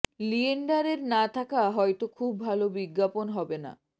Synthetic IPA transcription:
lieɳɖaɾeɾnat̪ʰakaɦɔjt̪okʰubːʱalobiɡːaponɦɔbena̰

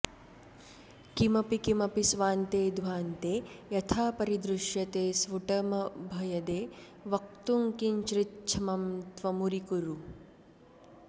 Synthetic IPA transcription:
kimɐpikimɐpisʋaːnt̪eːd̪ʋaːnt̪eːjɐt̪ʰaːpɐɾid̪ɾuʃjɐt̪eːsʋuʈɐmɐbʱɐjɐd̪eː | ʋɐk̚t̪uŋkiɲt͡ʃɾitt͡ʃʰɐmɐmt̪ʋɐmuɾikuɾu

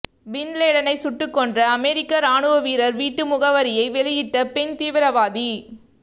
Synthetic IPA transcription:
bɪnleːɽɐnɐɪsʊʈːɯkːɔndrɐːmɛɾɪkːɐɾaːɳɯʋɐʋiːɾɐɾʋiːʈːɯmʊɣɐʋɐɾɪjɐɪʋɛɭɪjɪʈːɐpɛnt̪iːʋɪɾɐʋaːði

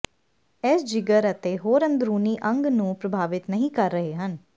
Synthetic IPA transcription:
ɛːsd͡ʒɪɡəɾət̪eːɦoːɾə̃nd̪ɾuːniːʔə̃ŋɡnũːpɾəbʱaːʋɪt̪nəɦĩːkəɾːəɦeːɦən

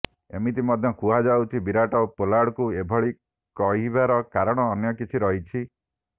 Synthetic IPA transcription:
ḛmit̪̬imɔd̪ʱjɔkuɦad͡ʒawt͡ʃʰibiɾaʈɔpolaɽɔkuebʱɔɭi | kɔɦibaɾɔkaɾɔɽ̃ɔːnjɔkit͡ʃʰiɾɔɦit͡ʃʰi

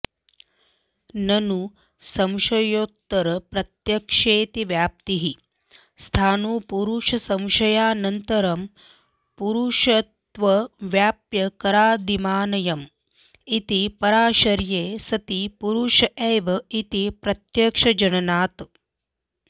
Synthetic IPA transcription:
nɐnu | sɐmʃɐjoːt̪ːɐɾɐpɾɐt̪jɐkʂeːt̪iʋjaːp̚t̪iɦi | st̪ʰaːnuːpuɾuʃɐsɐ̃mʃɐjaːnɐnt̪ɐɾɐm | puɾuʃɐt̪ʋɐʋjaːpjɐkɐɾaːd̪imaːnɐjɐm | it̪ipɐɾaːʃɐɾjeːsɐt̪ipuɾuʃɐeːʋɐit̪ipɾɐt̪jɐkʂɐd͡ʒɐnɐnaːt̪

